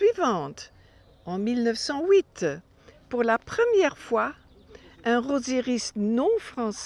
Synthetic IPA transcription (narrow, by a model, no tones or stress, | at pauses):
ɥivɑ̃t̪ | ɑ̃milnœfsɑ̃wit̪ | puʁlapχəmjɛʁfwa | ɛ̃ʁozeʁist̪nɔ̃fχɑ̃s